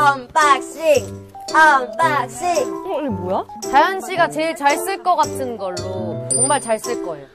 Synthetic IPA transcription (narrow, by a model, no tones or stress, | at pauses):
ʌmpak̚ɕ͈i | ʌmpakɕ͈imboja | t͡ɕajʌnɕ͈ʰiɡat͡ɕeiɭt͡ɕaɭs͈ɯɭk͈ʌk͈atʰɯnɡʌɭːot͡ɕoŋmaɭt͡ɕaɭs͈ɯɭk͈ʌejo